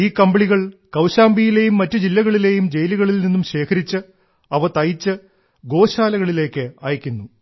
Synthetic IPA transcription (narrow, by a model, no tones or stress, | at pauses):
iːkɐmbɐɭiɣɐɭkɐwɕaːmbijile̞ːjumːɐtːɨd͡ʑilːɐɣɐɭile̞ːjumd͡ʑe̞jliɣɐɭilninːumɕe̞ːkʰɐɾit͡ɕːɨ | ɐʋɐt̪ɐjit͡ɕːɨ | ɡo̞ːɕaːlɐɣɐɭile̞ːkːɨɐ̰ːjɐkʲːunːu